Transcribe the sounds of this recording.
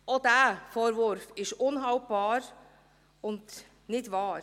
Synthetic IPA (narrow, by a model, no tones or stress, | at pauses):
ɔd̪æfɔɾʋʊɾfɪʃʊnɦaʊbɑːɾ | ʊnt̪ | nɪt̪ʋɑːɾ